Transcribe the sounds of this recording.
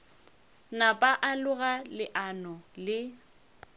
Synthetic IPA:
napʼaʔalʊɣalɪʔanɔlɪ

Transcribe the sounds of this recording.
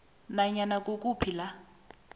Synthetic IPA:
naɲanak̬ʼokʼupʰila

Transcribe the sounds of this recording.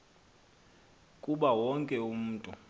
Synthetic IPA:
kʼuɓawɔŋkʼɛum̩ːtʼu

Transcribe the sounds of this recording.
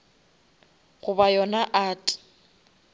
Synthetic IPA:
ɣʊbajɔnaʔaːtʼɪ̥

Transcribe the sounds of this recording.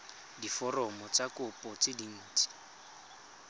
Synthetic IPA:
difɔrɔmɔt͡sʼakʊpʼɔt͡sɪdin̩ːt͡sʼi̥

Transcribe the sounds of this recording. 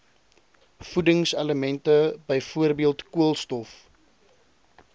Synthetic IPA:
fudəŋsɐləmɛntəbəjfuərbiəlˠtkuəlˠstɔf

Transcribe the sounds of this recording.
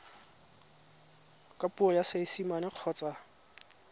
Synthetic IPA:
kʼapʼuɔjaseisimanɪq͡χʰɔːt͡sʼa

